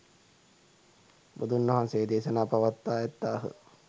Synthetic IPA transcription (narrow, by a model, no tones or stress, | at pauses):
bud̪unːɐɦanseːd̪eːsənaːpaʋat̪ːaːɛt̪ːaːɦə̰